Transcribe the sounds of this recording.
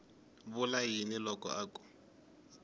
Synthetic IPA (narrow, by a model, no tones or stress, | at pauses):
βʊlajinilɔkʼɔ̰ʔaːkʼu̥